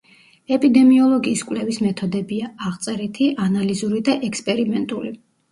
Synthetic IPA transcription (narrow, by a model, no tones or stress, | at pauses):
ɛpʼid̪ɛmiɔlˠɔɡiːskʼwlɛvismɛt̪ʰɔd̪ɛbiaaʁt̪sʼɛɾit̪ʰiʔanalizuɾid̪aʔɛkspʼɛɾimɛnt̪ʼuli